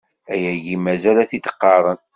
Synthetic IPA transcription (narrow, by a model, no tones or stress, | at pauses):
æjæʝimæzælæθit̪ə̥qːɑðˤən